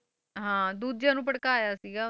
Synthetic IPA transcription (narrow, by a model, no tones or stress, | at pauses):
ɦãːd̪uːd̪̚d͡ʒãːnũːpəɽkaːjaːsiːɡaː